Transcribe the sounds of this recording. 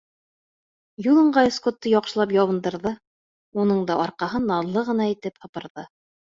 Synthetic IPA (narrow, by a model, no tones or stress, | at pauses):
julˠɤ̆ɴɢɑiskot̪ːɤjɒqʃɤ̆lˠɑpjɒwɤ̆nd̪ɤ̆ɾðɤ | unɤɴd̪ɑʔɒɾqɑɦɤnːɑðlˠɤʁɤ̆nɑit̪ɘphɤ̆pɤ̆ɾðɤ